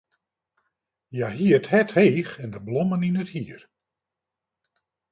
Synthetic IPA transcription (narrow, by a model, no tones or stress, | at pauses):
jaɦiəthɛthejxɛndəblɔməninəthiər